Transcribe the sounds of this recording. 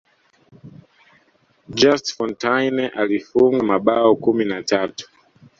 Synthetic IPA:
d͡ʒastfɔntajnɛʔalifuŋɡamaɓaɔkuminatatu̥

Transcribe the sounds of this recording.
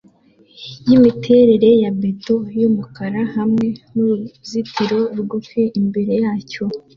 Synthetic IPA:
jimitʰe̞ɾe̞ɾe̞jabeto̞jumukaɾahamŋe̞nuɾuzitʰiɾo̞ɾɡufeʔimbe̞ɾe̞jaːco̞

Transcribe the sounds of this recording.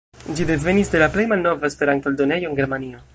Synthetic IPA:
d͡ʒide̞ve̞nisde̞laplejmalno̞vaespe̞ɾant̪oldo̞nejo̞eŋɡe̞ɾmanio

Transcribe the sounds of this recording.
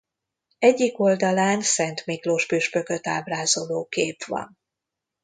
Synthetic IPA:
ɛɟːiko̞ld̪ɒlaːnsɛnt̪mikloːʃpyʃpø̞kø̞t̪aːbraːzoloːkeːpʋɒ̰n

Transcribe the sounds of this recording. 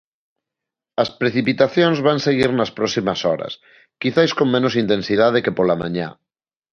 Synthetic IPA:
ɐspɾeθipit̪aθjonzβanseɣiɾnɐspɾɔsimɐsɔɾɐ̰s | kiθajskoŋmẽnos̬int̪ensiðað̞ekepolamã̰ɲa̰

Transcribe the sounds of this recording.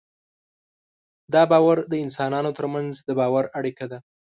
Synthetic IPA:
d̪ɑbɑwaɾd̪əɪnsɑnɑnot̪əɾmanzd̪əbɑwaɾaɽikad̪a

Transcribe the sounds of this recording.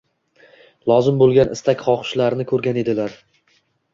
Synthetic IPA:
lˠɒzɪmbolˠɡʲanʔɪ̰st̪ʰakʲχɒqɨ̥ʃlaɾnɪkʰɵɾɡʲane̞d̪ɪlaɾ

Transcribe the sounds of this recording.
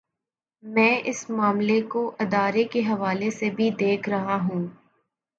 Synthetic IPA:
mɛ̃ːʔɪsmaːmlekoʔɪd̪aːɾekeɦɐʋaːlesebʱid̪eːkʰɾɐɦaɦũː

